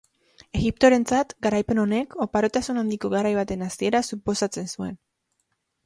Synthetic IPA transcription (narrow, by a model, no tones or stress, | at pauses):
e̞ɣip̚t̪o̞ɾe̞nt͡sat̪ɡaɾajpe̞no̞ne̞kʰo̞paɾo̞t̪asunand̪iko̞ɣaɾajβ̞at̪e̞nasie̞ɾasupo̞sat͡se̞nsue̞̰n